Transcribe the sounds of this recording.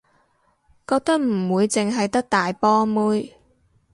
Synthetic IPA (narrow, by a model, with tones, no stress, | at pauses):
kɔː˧k̚t̪ɐ˥k̚m̩˨˩wuː˨˧jt͡sɪ˨ŋɦɐ˨jt̪ɐ˥k̚t̪aː˨jpɔː˥muː˥j